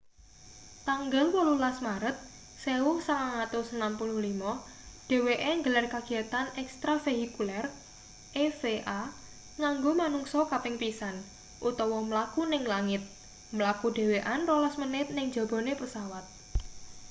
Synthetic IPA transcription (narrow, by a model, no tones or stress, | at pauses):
t̪aŋɡəlwɔlulasmaɾət̪̚ | sewʊhsalaŋat̪ʊsənampuluhlimɔ | ɖ̥e̤weʔeŋɡəlarkaɡ̥i̤at̪anɛkst̪ɾafeɦikulɛr | ʔefeʔa | ŋaŋɡomanuŋsɔkapɪŋpisan | ʔut̪ɔwɔməlakunɪŋlaŋɪt̪̚ | məlakuɖe̤weʔanrɔlasmənɪt̪̚nɪŋ̥d͡ʒ̥a̤bɔ̤nepəsawat̪̚